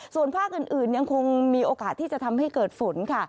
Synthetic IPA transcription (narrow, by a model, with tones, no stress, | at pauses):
su˨˩ənpʰaː˥˩k̚ʔɯ˨˩nʔɯː˨˩nja˧ŋkʰo˧ŋmiː˧ʔoː˧kaː˨˩t̪ʰːiː˥˩t͡ɕa˨˩t̪ʰa˧mha˥˩jkɤː˨˩t̪̚fo˩˦nkʰa˥˩